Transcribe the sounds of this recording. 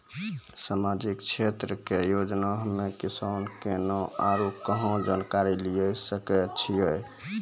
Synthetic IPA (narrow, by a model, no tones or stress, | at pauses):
samad͡ʒikt͡ʃʰet̪ɾəkejod͡ʒnaɦmːekisankenɔaɾukəɦɔ̃d͡ʒankaɾilijəjsəkɛt͡ʃʰijəj